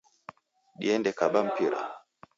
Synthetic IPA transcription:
ɗḭɛndɛkaɓam̩piɾa̰

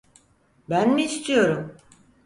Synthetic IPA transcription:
bænmiːst̪ʰijo̞ɾum

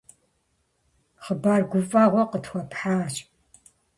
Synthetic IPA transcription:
χəbaːrɡʷʊfʼaːʁʷɔqətxʷɔpħaːɕʼ

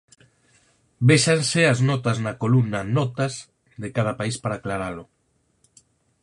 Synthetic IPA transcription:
beʃansɪɐznɔt̪ɐznɐkolunɐnɔt̪ɐz | ðekað̞ɐpaispaɾaːklaɾalʊ

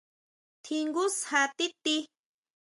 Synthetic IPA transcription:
t̪ʰiŋɡʊshat̪ɪt̪i

